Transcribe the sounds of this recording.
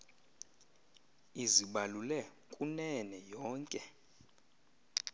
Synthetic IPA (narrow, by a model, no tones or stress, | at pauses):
iziɓalulɛ | kʼunɛnɛjɔːŋkʼɛ